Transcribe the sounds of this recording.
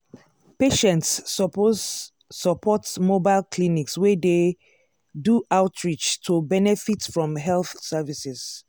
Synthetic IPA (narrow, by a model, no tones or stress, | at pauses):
peʃɛ̃nts | səpʰɔtmobaɪlkʰlinikswɛde | duʔaʊtʰɹit͡ʃtʰobɛnɛfitfɹɔ̃mɦɛlθsɛvisɛz̥